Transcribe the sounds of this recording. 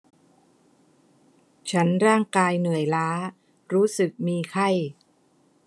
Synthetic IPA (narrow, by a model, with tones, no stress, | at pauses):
t͡ɕʰa˦˥nɾaː˥˩ŋkaː˧jnɯ˨˩əjlaː˦˥ | ɾuː˦˥sɯ˨˩k̚miː˧kʰa˥˩j